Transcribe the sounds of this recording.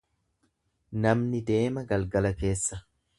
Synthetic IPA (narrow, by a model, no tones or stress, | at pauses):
nɐmnɪd̪e̞ːmɐɡɐlɡɐlɐke̞ːsːɐ